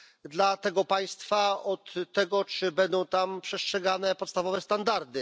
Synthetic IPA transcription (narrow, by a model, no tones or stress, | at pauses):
d̪lat̪ɛɡɔpaj̃st̪faɔt̪ːɛɡɔt͡ʂɘbɛnd̪ɔ̃w̃t̪ampʂɛstʂɛɡanɛpɔt̪st̪avɔvɛst̪and̪aɾd̪ɘ